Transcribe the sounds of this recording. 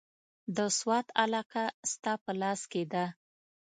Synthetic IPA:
d̪əswɑt̪alɑqast̪ɑpəlɑsked̪a

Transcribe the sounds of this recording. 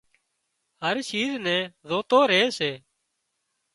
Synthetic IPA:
ɦəɾʃiːznɛ̃ːzoːt̪oːɾeːseː

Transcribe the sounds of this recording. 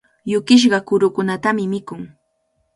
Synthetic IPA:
jʊkɪʃ̬ɢɑkʊɾʊkʊnat̪amɪmɪkʊŋ

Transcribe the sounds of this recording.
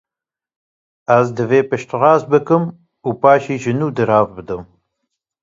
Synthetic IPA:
æzd̪ɨveːpɨʃt̪ʁɑːzbɨkɨm | uːpɑːʃiːʒɨnuːd̪ɨɾɑːvbɨd̪ɨm

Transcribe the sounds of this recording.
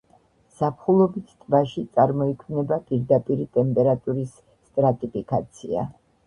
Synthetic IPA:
sapʰχulˠɔbit̪ʰt̪ʼbaʃit̪sʼaɾmɔikʰvnɛbapʼiɾd̪apʼiɾit̪ʼɛmpʼɛɾat̪ʼuɾis | t̪ʼɾat̪ʼipʰikʼat̪sʰḭa̰

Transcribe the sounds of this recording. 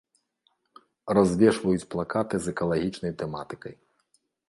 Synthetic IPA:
razʲvʲɛʂvɐjut͡sʲplˠakat̪ɨzɛkɐlˠaɣʲit͡ʂnɐjt̪ɛmat̪ɨ̥kɐj

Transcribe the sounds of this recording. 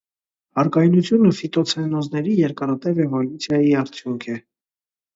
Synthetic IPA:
ɑɾkɑjnut͡sʰjunufit̪ɔt͡sʰɛnɔznɛɾijɛɾkɑɾɑt̪ɛvɛvɔlut͡sʰjɑjiɑɾt͡sʰjuŋkʰɛ

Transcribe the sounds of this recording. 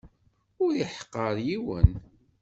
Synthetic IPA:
ʊɾiħə̥qːəɾˤjiwə̰n

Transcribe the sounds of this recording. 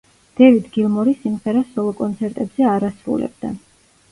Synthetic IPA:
d̪̥ɛvid̪ɡilˠmɔɾisimʁɛɾasɔlˠɔkʼɔnt̪sʰɛɾt̪ʼɛbz̥ɛaɾasɾṵlɛ̰b̚d̪a̰

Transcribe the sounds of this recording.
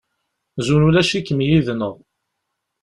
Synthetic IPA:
zunulæʃikːəmjiðnəʁˤ

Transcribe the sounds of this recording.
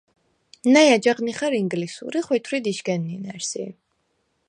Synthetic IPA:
najad͡ʒaʁniχaɾiŋɡlisṵɾiχwɛt̪ʰwɾid̪iʃɡɛnːinɛɾsḭ

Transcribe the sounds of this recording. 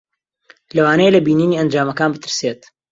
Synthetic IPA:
lɐwaːnejelɐbiːniːniːɐnd͡ʒaːmɐkaːnbɨt̪ɨɾseːt̪

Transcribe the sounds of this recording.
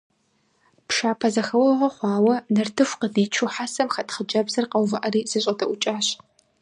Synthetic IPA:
pʃaːpʰɐzɐxɐwɐʁʷɐχʷɑːwɐnɨrtʰɨfʷqədiːt͡ʃʰuħasɐmxɐtχəd͡ʒɐbzɐrqɐwvɨʔɐriːzɨɕʼɐtʰɐʔʷʊt͡ʃʼaːɕ

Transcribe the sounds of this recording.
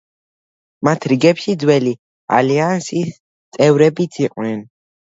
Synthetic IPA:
mat̪ʰɾiɡɛpʃid̪zwɛli | a̰liansis | t̪sʼɛvɾɛbit̪sʰiqʼnɛn

